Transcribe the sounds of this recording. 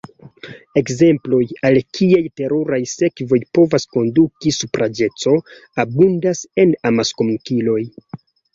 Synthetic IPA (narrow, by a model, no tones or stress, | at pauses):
e̞kze̞mplo̞jalkʰiajte̞ɾoɾajse̞kvo̞jpo̞vasko̞ndukisupɾad͡ʒe̞t͡so̞ | abundase̞namaskomkilo̞j